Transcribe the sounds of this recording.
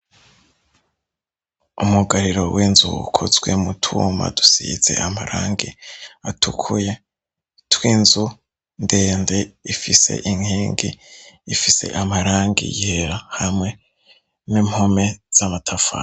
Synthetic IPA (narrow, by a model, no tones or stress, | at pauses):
umuɡaɾiɾo̞̰wʔiːnzṵṵkʰozɡwe̞̰mutʰuma̰du̥siize̞̰ʔamaɾʔaːŋɡiatʰukʰuje | twiːnzu | ndeːnde̞ifise̞̰ʔiŋhiːŋɡḭifise̞̰ʔamaɾaːŋɡḭjeɾahamŋe̞ | nimho̞me̞z̥amatʰafa̰ː